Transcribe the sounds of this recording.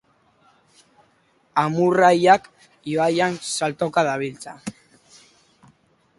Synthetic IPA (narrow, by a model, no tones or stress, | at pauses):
amurajak | iβajansalt̪o̞kaðaβilt͡sa